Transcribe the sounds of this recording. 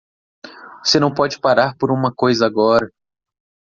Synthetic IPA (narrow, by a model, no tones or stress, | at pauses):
osenɐ̃w̃pɔd͡ʒɪpaɾaɾpoɾũmɐkojzɐaɡɔɾɐ